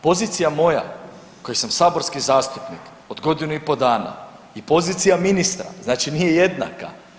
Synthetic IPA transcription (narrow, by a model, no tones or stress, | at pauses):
po̞ziːt̪sijamo̞ja̰ | kojisamsaːbo̞ɾskizaːst̪upnik | o̞d̪ɡo̞d̪inuipo̞d̪aːna̰ | ipo̞ziːt̪sijaminist̪ɾa̰znaːt͡ʃinijeje̞d̪na̰ka̰